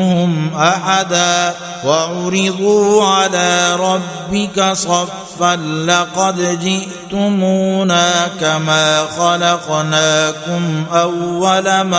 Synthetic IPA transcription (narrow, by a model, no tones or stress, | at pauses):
hʊmʔaħad̪aː | waʕʊɾɪd̪ˤuːʕalaːɾˤɑbːɪkasˤɑfːanlɑqɑd̪d͡ʒɪʔt̪ʊmuːnaːkamaːxɑlɑqnaːkʊmʔawːalam